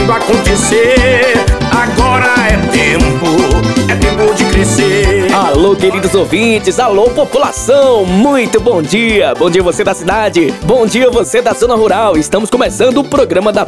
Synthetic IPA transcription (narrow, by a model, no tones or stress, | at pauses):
akõnt̪ese | aɡɔɾɐɛt̪ẽmpʊɛt̪ẽpõd͡ʒɪkɾesealokeɾid̪ʊzowvĩt͡ʃɪzalopopula̰sɐ̃ww̃mũj̃t̪ʊbõw̃d͡ʒiɐbõd͡ʒiɐvosed̪ɐsid̪ad͡ʒɪbõd͡ʒiɐvosed̪ɐzõnɐɦuɾawɪst̪ɐ̃mʊskõmesɐ̃nd̪ʊːpɾoɡɾɐ̃mɐd̪ɐ